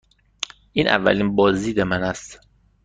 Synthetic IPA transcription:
ʔiːnʔæ̰vːæ̰linbɒːziːd̪emænæst̪

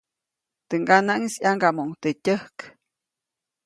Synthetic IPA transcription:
t̪ɨŋɡanaʔŋisjaŋɡamoŋt̪ətʲəhk

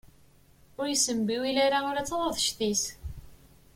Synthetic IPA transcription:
ʊɾjəsəmbiwilæɾaʊɾat͡sːəðˤəðˤʃθis

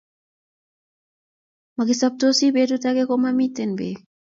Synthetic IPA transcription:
makisap̚t̪osibetutakekomamitenbḛ

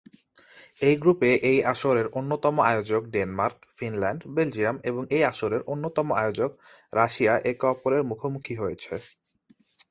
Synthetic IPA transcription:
ejɡɾupeʔejaʃoɾeɾʔonːot̪ɔmoaeod͡ʑok̚ɖenmaɾkfinlɛɳɖbeld͡ʑiameboŋejaʃoɾeɾʔonːot̪ɔmoʔaeod͡ʑokɾaʃiaʔekɔpoɾeɾmukʰomukʰiɦojet͡ɕʰe

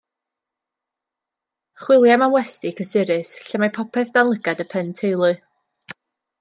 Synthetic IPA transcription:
χwɪlˠjamawɛstɪkʰəsɪɾɪsɬəmajpʰɔpʰɛθd̥anlˠəɡadəpʰɛntʰejlˠʊɨ

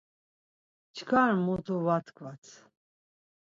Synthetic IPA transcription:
t͡ʃʰkʰaɾmut̪uvat̪ʰkʰvat͡sʰ

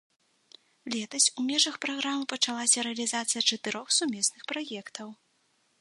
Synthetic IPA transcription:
lʲɛt̪ɐsʲumʲɛʐɐxpɾaɣɾamɨpɐt͡ʂalˠasʲɐɾɨɐlʲizat̪sɨjɐt͡ʂɐt̪ɨɾɔxsumʲɛsnɨxpɾajɛkt̪ʰɐw

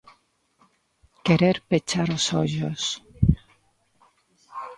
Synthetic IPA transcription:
keɾeɾpet͡ʃaɾosoʎos

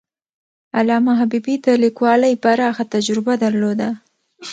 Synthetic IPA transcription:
alɑmaɦabibid̪əlikwɑlajpaɾɑxat̪ad͡ʒɾɪbad̪aɾlod̪a

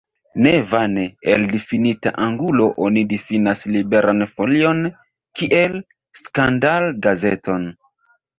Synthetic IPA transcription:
nevaneeldifinita̰ʔaŋɡulo̞ʔonidifinaslibe̞ɾanfo̞lio̞n | kiʔe̞l | skandalɡazetʰo̞n

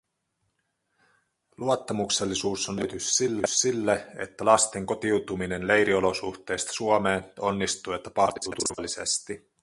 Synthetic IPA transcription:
luot̪ːɑmukselːisuːsonːyt̪yssilːyssilːeḛt̪ːælɑst̪e̞ŋko̞t̪iwt̪umine̞nle̞jɾiolo̞suxt̪e̞ːst̪ɑ̥suomeːno̞nːist̪uːet̪ːæpɑruːt̪urʋɑlːise̞̰st̪i

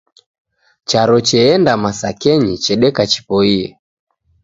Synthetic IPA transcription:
t͡ʃaɾɔt͡ʃɛɛndamasakɛɲit͡ʃɛɗɛkat͡ʃi̥pɔiɛ

